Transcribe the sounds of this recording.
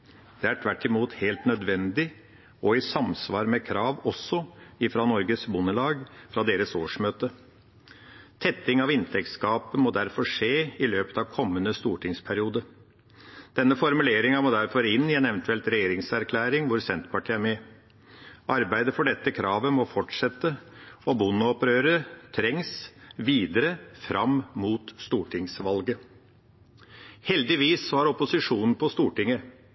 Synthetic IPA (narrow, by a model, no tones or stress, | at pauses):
d̪̥ɛæʈʰʋæʈːɪmuːt̪heːlt̪nœd̪ʋɛnd̪ɪ | ɔɪsɑmsʋɑːɾmɛkʰɾɑːʋɔsːɔɪfɾɑːnɔɾɡəsbʊnəlɑːɡfɾɑd̪eːɾəsoːʂmøːt̪ə | t̪ʰɛt̪ːɪŋɑʋɪnt̪ʰɛk̚t̪skɑːpəmɔːd̪æɾfɔʂeːɪløːpə̥t̪ɑʋkʰɔmːənəst̪uːʈɪŋspʰæɾɪuːd̪əɾ | d̪̥ɛnːəfɔɾmʉleːɾɪŋɑmoːd̪æɾfɔɾɪnːɪɛːnɛʋənt̪ʉɛlt̪ɾɛjeːɾɪŋsæɾkʰlæːɾɪŋʋʊɾsɛnt̪pɑʈʰiːæɾmɛ | ʔɑɾbæɪd̪əfɔɖɛt̪ːəkʰɾɑːʋəmɔfɔʈʂɛt̪ːəɔbʊnːɔpɾøːɾət̪ʰɾɛŋsʋiːd̪əɾəfɾʔɑmmuːt̪st̪uːʈʰɪŋsʋɑlɡə | hɛld̪ɪʋiːsːɔhɑɾɔpʊsɪʂuːnn̩pʰɔst̪uːʈɪŋə